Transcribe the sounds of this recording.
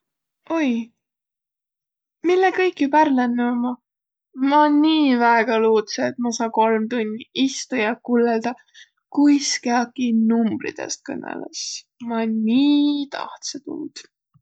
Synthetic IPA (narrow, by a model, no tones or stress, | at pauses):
o̞j | milːekɤjkːˑjupærlenːemɑ | mɑnniːvæeɡ̥ɑluːt̪seːt̪̚mɑsɑːko̞lmt̪unʲːiist̪ujɑkulːeld̪̥ɑ | kujskeɑkːˑinumb̥ɾḭd̪̥ḛst̪̚kɤ̰nḛlḛs | mɑniːt̪ɑ̰ht̪set̪ṵld̪̥